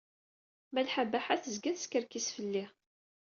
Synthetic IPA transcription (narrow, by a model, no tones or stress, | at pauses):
mælħabæħaθəzɡæθskəɾkisfəlːi